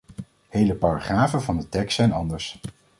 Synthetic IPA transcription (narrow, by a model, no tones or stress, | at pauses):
hejləpaːrɑχraːvənvɑndətɛkstsɛjnɑndəɹs